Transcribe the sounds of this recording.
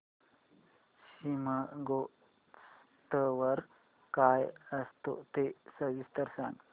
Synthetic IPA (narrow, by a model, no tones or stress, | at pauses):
ɕiməɡo | s | t̪əʋəɾ | kaːjɐst̪o̰t̪esəʋist̪ɐɾsan